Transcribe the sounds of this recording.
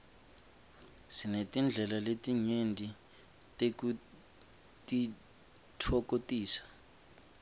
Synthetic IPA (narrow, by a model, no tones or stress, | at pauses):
sinetʼind͡ɮʱɛlaletʼiɲendʱi | tʼeku | tʼi | tʰɔkʼotʼiːsḁ